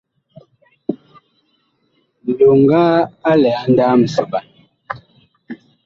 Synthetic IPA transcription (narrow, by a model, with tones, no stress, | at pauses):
m̩˨ɗo˨ŋ̩˦ɡaː˦a˦lɛ˨a˨˦n˦daː˦m̩˨sə˨ba˨